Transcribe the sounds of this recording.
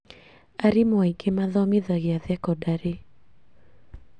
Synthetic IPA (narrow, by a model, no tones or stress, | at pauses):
aɾimwaikemaðɔmiðaɣɪaðɛkɔdaɾe